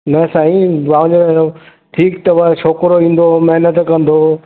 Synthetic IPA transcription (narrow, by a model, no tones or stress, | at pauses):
nɐsaːĩʋaːʋ̃ɲd͡ʑo | ʈʰiːkt̪ɐɐʃoːkɾoʋĩːn̆d̪omɐɦnət̪kɐ̃nd̪o